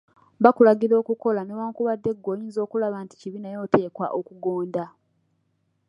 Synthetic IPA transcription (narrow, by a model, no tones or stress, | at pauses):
βakulaɡiɾo̞ːkuko̞lanoβaːŋkuβadːe̞ɡːo̞ːjiːnzo̞ːkulaβaːnti̥ciβinajo̞ːte̞ːkwa̰ʔokuɡo̞ːnda